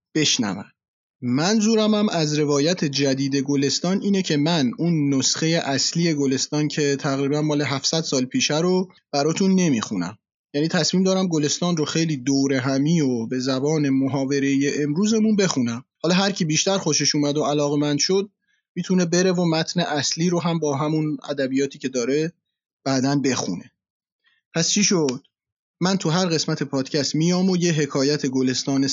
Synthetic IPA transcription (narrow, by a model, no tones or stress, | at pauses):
b̥e̞ʃnæ̰væ̰m | mænzuːɾæmæmʔæzɾe̞vɒːjæt̪ʰe̞d͡ʒæd̪iːd̪e̞ɡole̞st̪ɒːniːne̞cʰe̞mænunːosxe̞je̞ʔæsliːe̞ɡole̞st̪ɒːncʰe̞t̪ʰæɣɾiːbænmɒːle̞ɦæfsæd̪̥sɒːlpʰiːʃæɾob̥æɾɒːt̪ʰunːe̞miːxunæ̰m | jæːniːt̪ʰæsmiːmd̪ɒːɾæmɡole̞st̪ɒːnroxe̞jliːd̪oːɾe̞ɦæmiːobe̞zæbɒːne̞moɦɒːve̞ɾe̞jeʔemɾuːze̞munbe̞xunæmhɒːlɒːɦæɾcʰibiːʃt̪æɾxoʃeʃuːmæd̪oælɒːɣe̞mænd̪ʃo̞d̪̚ | mit̪ʰune̞be̞ɾe̞vomæt̪ʰne̞ʔæsliːɾoɦæmbɒːɦæmunæ̰d̪æbijɒːt̪ʰiːce̞d̪ɒːɾe̞ | b̥æd̪ænbe̞xṵne̞ | pʰæst͡ʃʰiʃod̪̥̚ | mænt̪ʰuɦæɾɣe̞smæt̪ʰe̞pʰɒːd̪̥cʰæst̪miːjɒːmojeɦe̞kʰɒːjæt̪ʰe̞ɡole̞st̪ɒːne